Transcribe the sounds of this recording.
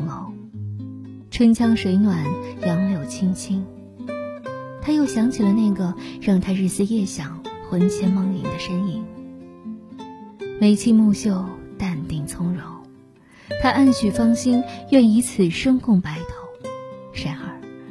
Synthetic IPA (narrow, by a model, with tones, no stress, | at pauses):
ŋlo˧˥ʊ | ʈ͡ʂʰwə˥nt͡ɕʰjɑ˥ŋʂwe˧˥ɪnwa˨˩˦njɑ˧˥ŋljo˨˩ʊt͡ɕʰi˥ŋt͡ɕʰi˥ŋ | t̪ʰa˥jo˥˩ʊɕjɑ˧˥ŋt͡ɕʰi˨˩lə˦na˥˩ɪɡə˩ɻɑ˥˩ŋt̪ʰa˥ɻɻ̩˥˩sɹ̩˥˧jɛ˥˩ɕjɑ˨˩ŋxwə˧˥nt͡ɕʰjɛ˧˥nmɑ˥˩ŋlḭ˧˥nd̪ə˧ʂə˥ni˥˩n | me˧˥ɪt͡ɕʰi˥mu˥˧ɕjo˥˧˩ʊt̪a˥˧nt̪i˥˩ŋt͡sʰʊ˥ŋɻo˧˥ʊ | t̪ʰa˥ʔa˥˩nt͡ɕʰy˨˩fɑ˥ŋɕi˥njɥɛ˥˩ni˧˥t͡sʰɹ̩˨˩ʂɤ˥ŋkʰʊ˥˩ŋpa˧˥ɪt̪ʰo˨˥ʊʂa˧˥ɪxə˞˨˩˦